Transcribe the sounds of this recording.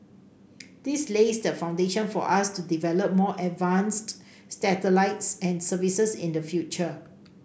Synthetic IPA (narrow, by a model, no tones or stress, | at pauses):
d̥islesdəfãw̃ndeʃə̃nfɔ̰ʔastudivɛləp̚mɔʔɛtvãnst | stɛtəlaɪtsɛ̃nsəvisəsḭ̃ndəfjut͡ʃə